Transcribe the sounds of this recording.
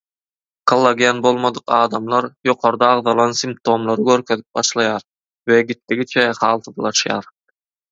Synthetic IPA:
qʰɑlˠːɑɡienbo̞lˠmɑd̪ɯqɑːd̪ɑmlˠɑɾjo̞qʰo̞ɾd̪ɑːʁðɑlˠɑnsimp̚t̪ʰo̞mlˠɑɾɯɡʲøɾkʲʰøðip̚bɑʃlˠɑjɑːɾ | veɡit̪ːiɡʲit͡ʃʰɛχɑːlˠt̪ʰɯblˠɑʃjɑ̰ːɾ

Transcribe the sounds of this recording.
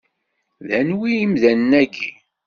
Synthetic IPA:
ðænwiimðænːæɡi

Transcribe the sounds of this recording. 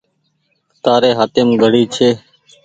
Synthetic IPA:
t̪aːɾeːɦaːt̪eːmɡʱəɽiːt͡ʃʰeː

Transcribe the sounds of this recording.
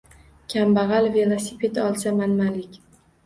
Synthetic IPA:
kʲʰambaʁɑlve̞lˠasipʰe̞t̪ɒlˠsamanmalɪkʲ

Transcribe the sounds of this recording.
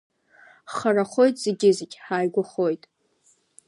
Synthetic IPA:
χaraχo̞jtʼz̥eɡʲɪzɪɡʲħaːjɡʷʊχo̞jtʼ

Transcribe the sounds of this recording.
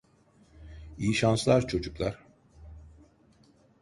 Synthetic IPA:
ijiʃanslˠaɾt͡ʃʰo̞d͡ʒuklˠaɾ̥

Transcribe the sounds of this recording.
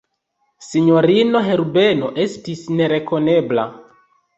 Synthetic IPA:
siɲoɾinoɦeɾubenoʔestisneɾekonebla̰

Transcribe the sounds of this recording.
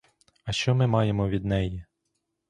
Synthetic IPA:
ɐʃt͡ʃɔmɪmɑjemɔʋʲid̪̚nɛji

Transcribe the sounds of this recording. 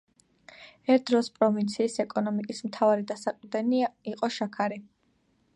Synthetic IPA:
ɛɾt̪̚ʰd̪ɾɔspʼɾɔvint̪sʰiːsɛkʼɔnɔmikʼismt̪ʰavaɾid̪asaqʼvd̪ɛniaiqʼɔʃakʰaɾi

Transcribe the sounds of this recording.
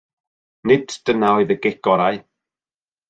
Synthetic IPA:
nɪd̥d̥ənaɔɨðəɡɛɡ̥ɔɾaj

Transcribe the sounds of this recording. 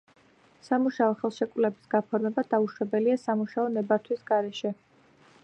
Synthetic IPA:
samuʃaɔχɛlˠʃɛkʼvlɛbi̥sɡ̥apʰɔɾmɛbad̪̥auʃwɛbɛliasamuʃaɔnɛbaɾt̪ʰwisɡaɾɛʃɛ

